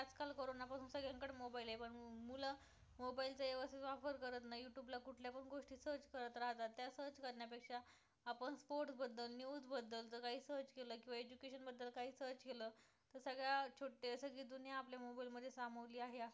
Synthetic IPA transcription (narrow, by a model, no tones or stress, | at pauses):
tat͡skalkəɾonapasuːnsəɡɭjãŋkəɽmobailaɦepəɳmula | mobailt͡səeʋəst̪it̪ʋafəɾkəɾət̪̬najjuʈjublakuʈʰljapəɳɡoʂʈiːsəɾt͡ɕkəɾət̪ɾaɦt̪at̪ːjasəɾt͡ɕkəɾɳjapekʂaː | pəɳspoɾʈsbəd̪ːəlnjud͡zbəd̪ːəlt͡səkaɦiːsəɾt͡ɕkeləːkĩw̃ʋaed͡ʑukeɕənbəd̪ːəlkaɦiːsəɾt͡ɕkeləː | t̪əɾsəɡɭjat͡ɕʰoʈːesəɡɭiːd̪unjaːpljamobailməd̪ʱːjesam̤əʋliːaɦeas